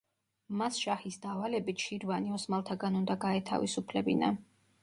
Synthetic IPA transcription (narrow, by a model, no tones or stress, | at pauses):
masʃahisd̪avalɛbit̪ʃiɾvaniɔsmalˠt̪ʰaɡanund̪aɡaɛt̪ʰa̰visupʰlɛbḭna